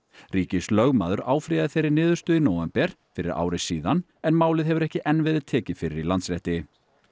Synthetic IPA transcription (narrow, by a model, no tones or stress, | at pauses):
riːcɪslœɣmaːðʏɾaːwfɾijaðɪθejɾɪɾnɪːðʏɾ̥st̪ʏinoːwɛmpɛɾ̥fɪɾɪ̰ɾa̰ːwɾɪsiːðan | ɛnmaːwlɪðɦɛvʏɾɛhcɪʔɛnːvɪːðɪðt̪ʰɛːcɪfɪɾɪɾilant̪sɾɛht̪ɪ